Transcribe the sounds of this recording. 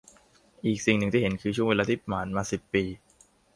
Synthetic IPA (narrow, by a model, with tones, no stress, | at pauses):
ʔiː˨˩k̚si˨˩ŋnɯ˨˩ŋt̪iː˥˩e˩˦nkʰɯː˧t͡ɕʰu˥˩əŋweː˧aː˧t̪ʰiː˦˥˩pmaː˩˦nmaː˧si˨˩pːiː˧